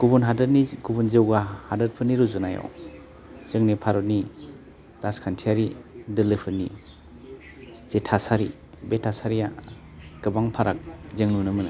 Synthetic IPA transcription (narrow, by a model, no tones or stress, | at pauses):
ɡ̥ubunɦadɯɾniɡubunzewɡahadɯɾpʰɯniɾuzunajɔ̰w | z̥ɯŋnipʰaɾɔtni | ɾaskʰantʰiaɾidɯlɯpʰɯni | z̥etʰasaɾi | betʰːasaɾija̰ | ɡ̥ɯbaŋpʰaɾak̚zeŋnunɯmɯn